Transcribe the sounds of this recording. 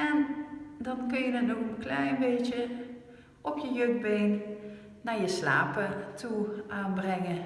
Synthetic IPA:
ɛndɔnkønjənətokəkʰlɛjnbeːtjə | ʔopjəjøɡ̚beːn | najəsla̰ːpətʰuʔaːnbrɛŋə

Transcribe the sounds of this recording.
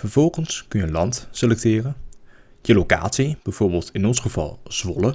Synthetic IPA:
vəɹv̥ɔlˠχənskɵnjənlɑntselɛk̚tɪːrənjəlowka̰ːtsib̥ɛjv̥ʊːɹbɪːlˠtɪnɔnsχəv̥ɑ̰lˠz̥ʋɔ̰lə

